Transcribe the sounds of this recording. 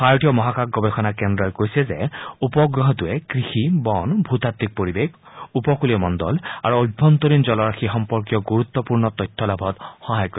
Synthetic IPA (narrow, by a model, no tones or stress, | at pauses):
xajtijɔmɔɦakakɡɔbɛxʰɔnakɛndɹɔjkojsɛzɛ̰upɔɡɹɔɦɔtuɛkɹixibɔnbʱut̪at̪ːik̚poɹibek | upɔkuliɔmɔndɔla̰ɹuojbʱːɔnt̪oɾinzɔlɔɹaxixɔmpɔɹkijɔɡuɹut̪ːɔpuɹnɔt̪ɔjtʰːɔlabʱɔt̪xɔɦajkɔ